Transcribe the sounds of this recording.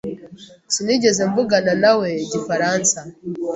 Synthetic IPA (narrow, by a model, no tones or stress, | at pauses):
siniɟe̞ze̞mvuɡananawe̞ːɟifaɾaːnsa